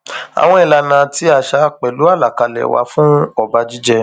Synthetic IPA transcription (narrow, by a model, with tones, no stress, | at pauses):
a̰˨w̃ɔ̃˧i˧˨la˧nã˧ti˦a˨ʃa˧˦k͡pɛ˨lu˨˦a˦˨la˨ka˨˧lɛ̰˨wa̰˧fũ˦ɔ˦˨ba˧˦d͡ʒi˦d͡ʒɛ˧